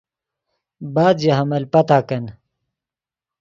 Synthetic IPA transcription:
baːd̪jɐɦɐmɐlpɐt̪aːkɐn

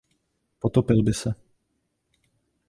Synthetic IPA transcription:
pɔt̪ɔpɛlbɪsa

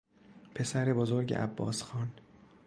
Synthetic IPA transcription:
pʰe̞sæɾe̞bozoɾɟḛʔæ̰bːɒ̰ːsxɒːn

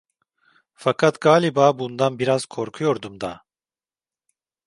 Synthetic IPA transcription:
fakʰat̪ɡaːlʲibaːbund̪anbiɾaz̥kʰo̞ɾkʰujo̞ɾd̪umd̪a

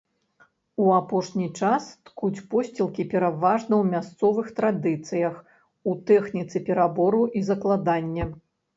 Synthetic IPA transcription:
uapɔʂnʲit͡ʂast̪kut͡sʲpɔsʲt͡sʲilˠkʲipʲɛɾavaʐnɐwmʲast̪sɔvɨxt̪ɾad̪ɨt̪sɨjɐx | ut̪ɛxnʲit̪sɨpʲɛɾabɔɾuʔizɐklˠad̪anʲːɛ

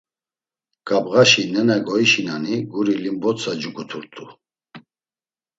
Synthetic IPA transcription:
ɡ̥abɣaʃinɛnɛɡɔiʃinaniɡuɾilimbɔt͡sʰad͡ʒukʰʼut̪ʰuɾt̪ʰʼu

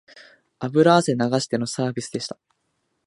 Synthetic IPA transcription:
abɯ̟ɾase̞naɡaɕi̥t̪e̞no̞saːbʲisɨd̪e̞ɕi̥t̪ḁ

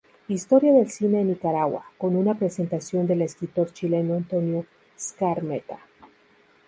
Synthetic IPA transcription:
ist̪o̞ɾjaðe̞lsine̞ːnikaɾaɣwa̰ko̞nunapɾe̞se̞nt̪asjo̞nd̪e̞le̞skɾit̪o̞ɾt͡ʃile̞noant̪o̞njo | skaɾmet̪a

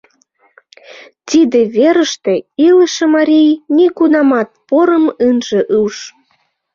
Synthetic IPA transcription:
t̪id̪eβeɾəʃt̪eiləʃemɑɾʲijnikunɑmɑt̪̚poɾəmɯnʒĕʔuwʃ

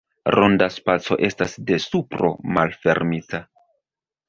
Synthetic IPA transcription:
ɾʔondaspat͡so̞̰ʔe̞stasde̞supɾo̞̰malfe̞ɾmita

